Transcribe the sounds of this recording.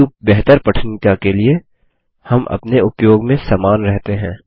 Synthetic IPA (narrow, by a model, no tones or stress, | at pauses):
ubɛɦt̪əɾpɐʈʰnɪt̪akelie | hɐmʔɐ̰pneʊpjoːɡmẽsaːmaːnɾɛɦt̪eɦɛ̃ː